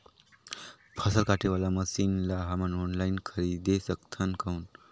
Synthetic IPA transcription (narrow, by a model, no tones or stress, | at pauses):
pʰəsəlkaʈʰeʋalaməsiːnlaɦamənonlainkʰəɾid̪esəkt̪ʰənkʰauːn